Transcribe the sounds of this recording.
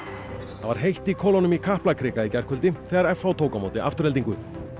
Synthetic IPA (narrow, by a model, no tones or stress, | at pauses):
θavaɾ̥ɦejht̪ikʰɔːlɔnʏmikʰahplakʰɾɪːkaicɛr̥kʰʏlt̪ɪθɛːɣaɾɛfawt̪ʰoːwkamoːwt̪ɪʔa̰ft̪ʏɾhɛlt̪iŋkʏ